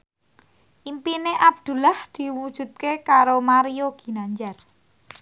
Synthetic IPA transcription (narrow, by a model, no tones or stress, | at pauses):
ʔimpineʔab̚d̪̥ṳlahd̪̥i̤wud̥ʒ̥ṳt̪̚kekaɾomaɾioɡ̥i̤naɲd͡ʒar